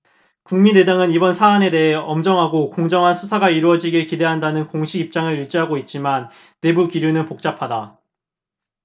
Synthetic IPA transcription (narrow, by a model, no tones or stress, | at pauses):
kuŋmine̞daŋɯnibʌnsʰaane̞de̞ɦeʌmd͡ʑʌŋɦaɡokoŋd͡ʑʌŋɦansʰusʰaɡaiɾuʌd͡ʑiɡiɭkide̞ɦandanɯnkoŋɕʰiɡip̚t͡ɕ͈aŋɯɭjuɭt͡ɕ͈iɦaɡoit̚t͡ɕ͈imanː | e̞bukiɾjunɯnpok̚t͡ɕ͈apʰada